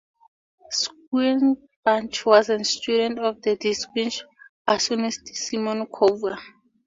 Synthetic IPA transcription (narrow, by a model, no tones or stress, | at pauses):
skɛn | bãnt͡ʃwɔzɛ̃nstudɛ̃ntɔfdədiskĩnt͡ʃ | asɔnistsimɔ̃nkʰova